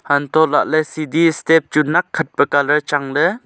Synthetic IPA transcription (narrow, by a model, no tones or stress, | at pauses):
hant̪ɔla̰ʔlɛsidistɛp̚t͡ʃunakʰːət̚pəkalət͡ʃaŋlə